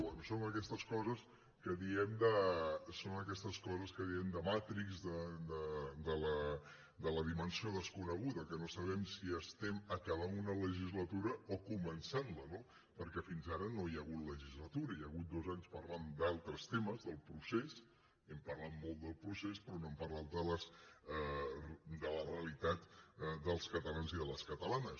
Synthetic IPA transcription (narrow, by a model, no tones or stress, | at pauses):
ɛnusoŋəkɛst̪əskɔzəs | kəðiɛmd̪əsonəkɛst̪əskɔzəskəðiɛmd̪əmat̪ɾikzdəd̪əd̪ələ | d̪ələð̞imənsioðəskunəɣ̞uðəkənosəβ̞ɛmsiəst̪ɛməkəβanunələʒizlət̪uɾəokumənsanləno | pəɾkɛfinzaɾənojəɣut̪ləʒizlət̪uɾəjəɣut̪̚d̪ozaɲspərland̪alˠt̪ɾəst̪eməzðəlˠpɾuses | ɛmpərlat̪molˠd̪əlˠpɾusespɾɔnoɛmpərlat̪̚d̪ələs | d̪ələreəlit̪at̪d̪əlˠskət̪əlanziðələskət̪əlanəs